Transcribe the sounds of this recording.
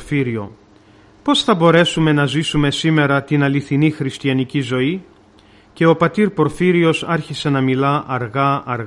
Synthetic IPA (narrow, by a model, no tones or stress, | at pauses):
fiɾio̞̰ | po̞sθɐbo̞ɾe̞sume̞nɐzisume̞sime̞ɾɐt̪inɐliθinixɾist̪iɐnicizo̞i | ce̞o̞pɐt̪iɾpo̞ɾfiɾio̞sɐɾçise̞nɐmilɐʔɐɾɣɐːɾɣ